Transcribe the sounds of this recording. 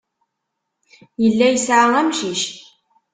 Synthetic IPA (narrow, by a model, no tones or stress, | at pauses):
jəlːæjəsʕaʁæmʃiʃ